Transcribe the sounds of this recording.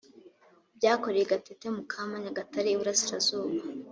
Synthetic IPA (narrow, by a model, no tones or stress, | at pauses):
bɟaːko̞ɾejeɡatetemukʰamaɲaɡataɾiːβuɾasiɾazuːβa